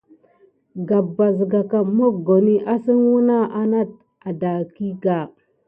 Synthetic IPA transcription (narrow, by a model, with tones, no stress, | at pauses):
ɡa˨bːa˨zɡa˨ka˨mo˦kɡo˨ni˦ʔa˦si˦nwu˦na˦ʔa˦na˦t̚ | a˨da˨ki˦ɡa˨